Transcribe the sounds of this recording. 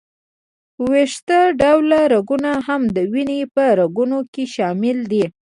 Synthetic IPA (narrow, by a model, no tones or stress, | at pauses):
weʂt̪aɖawlaɾaɡunaɦamd̪əwinepəɾaɡunokeʃɑmɪld̪i